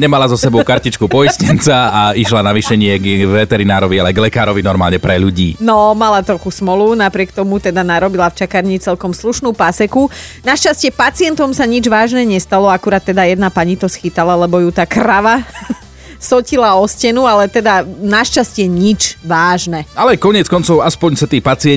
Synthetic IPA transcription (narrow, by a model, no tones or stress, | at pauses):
ɲɛmalazɔsɛbɔʊkaɾcit͡ʃkupɔjiscɛnt͡saaiʃlanaʋiʃɛɲɪɛɡʋɛt̪ɛɾinaːɾɔʋialɛɡlɛkaːɾɔʋinɔɾmaːlɲɛpɾɛʎuɟiːnɔmalat̪ɾɔxusmɔlunapɾɪɛkt̪ɔmut̪ɛd̪anaɾɔbilaft͡ʃakaɾɲit͡sɛlkɔmsluʃnuːpasɛkunaʃt͡ʃascɪɛpat͡siɪɛnt̪ɔmsaɲid͡ʒʋaːʒnɛɲɛst̪alɔakuɾaːt̪ːɛd̪ajɛd̪napaɲit̪ɔsxit̪alalɛbɔjut̪aːkɾaʋa | sɔcilaɔscɛnualɛt̪ɛd̪anaʃt͡ʃascɪɛɲit͡ʃʋaːʒnɛalɛkɔɲɪɛt͡skɔnt͡sɔʊaspɔɲsɛt̪iːpat͡siɪɛ